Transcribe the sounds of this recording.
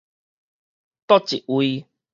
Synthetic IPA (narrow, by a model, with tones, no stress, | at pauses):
t̪ɔ˦t͡ɕi˨ʔwi˧